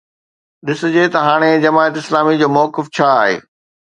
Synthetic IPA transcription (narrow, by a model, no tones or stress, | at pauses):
ɗɪsʊ̆d͡ʑet̪ɐɦaːɽ̃ed͡ʑɐmaːət̪ɪslaːmid͡ʑoːmɔːkɪft͡ɕʰaaːɦḛː